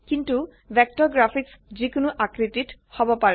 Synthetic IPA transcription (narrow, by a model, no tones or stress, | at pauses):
kintu | bʱɛk̚tɔɹɡɹafʰiks | zikʊnuʔakɹedit | hɔbɔpaɹɛ